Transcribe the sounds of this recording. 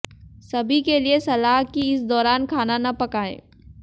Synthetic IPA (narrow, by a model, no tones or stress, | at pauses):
sɐbʱikeliesɐlaːɦkiɪsd̪ɔːɾaːnkʰaːnanɐpɐkaːḛ̃ː